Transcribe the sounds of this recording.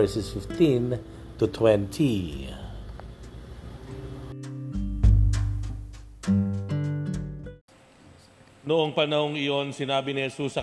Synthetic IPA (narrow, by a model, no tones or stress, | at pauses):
ɹsɛsfɪft̪ĩn | t̪ut̪ʰwɛ̃nt̪ʰi | noʔo̞ŋpɐnɐhoŋɪjo̞nsɪnaːbɪnɪhɛsusːɐ